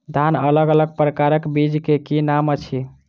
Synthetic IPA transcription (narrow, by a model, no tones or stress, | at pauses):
d̪ʱanələɡələɡ̚pɾəkaɾəkbid͡ʒkekinamət͡ʃʰi